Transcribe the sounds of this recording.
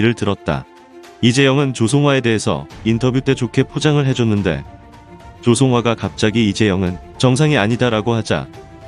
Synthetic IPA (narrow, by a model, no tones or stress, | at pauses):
iɾɯɭtɯɾʌt̚t͈a̰ | id͡ʑe̞jʌŋɯnt͡ɕosʰoŋɦwae̞de̞ɦesʰʌ̰intʰʌbjut͈ʰe̞t͡ɕokʰe̞pʰod͡ʑaŋɯɭɦe̞d͡ʑonːɯnde̞̰ | t͡ɕosʰoŋɦwaɡakap̚t͡ɕ͈aɡiːd͡ʑe̞jʌŋɯnt͡ɕʌŋsʰaŋiaɲidaɾaɡohad͡ʑa̰